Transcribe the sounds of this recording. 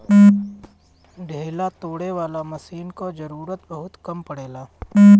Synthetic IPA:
ɖʱeːlat̪oːɽeʋaːlamɐsiːnkod͡ʒɐɾuːɾət̪bɐɦʊt̪kɐmpɐɽeːlaː

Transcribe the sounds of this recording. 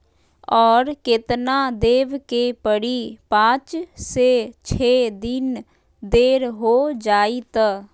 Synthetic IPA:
ɔːɾkɪt̪naːd̪eːʋkeːpəɽiːpãːt͡ʃseːt͡ʃʰeːd̪ɪn | d̪eːɾɦoːd͡ʒaːiːt̪a

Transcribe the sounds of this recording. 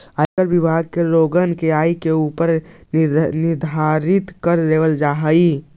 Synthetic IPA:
akəɾbibʱaɡ̚keɾoɡənkeaikeupəɾ | nɪɾd̪ʱaɾit̪kəɾːeʋəld͡ʒaɦəi

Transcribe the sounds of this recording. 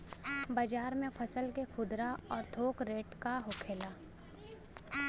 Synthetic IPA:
baːd͡ʒaːɾmẽpʰɐsəlkekʰʊd̪ɾaɔːɾt̪ʰoːkɾeːʈkaɦʊkʰeːlaː

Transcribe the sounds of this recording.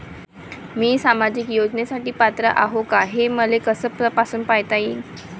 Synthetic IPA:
miːsamad͡ʑikjod͡ʑnesaʈiːpat̪ɾəʔaɦokaɦeməlekəsəpəpasuːnpajt̪ajin

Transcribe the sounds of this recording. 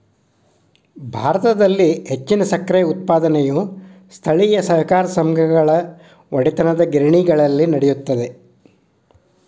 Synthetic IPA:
bʱaːɾɐt̪ɐd̪ɐlːiɦe̞t͡ʃːinɐsɐkɾɛjut̪̚paːd̪ɐnejust̪ʰɐɭijɐsɐɦkaːɾɐsɐmɡʱɐɡɐɭɐ | ʋɐɽit̪ɐnɐd̪ɐɡiɾɐɳiɡɐɭɐlːinɐɽejut̪ːɐd̪e̞

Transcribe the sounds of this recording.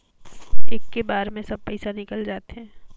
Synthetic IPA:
eːkːebaːɾmẽsɐb̚pəɪsanɪkəld͡ʒaːt̪eɦɛ̃ː

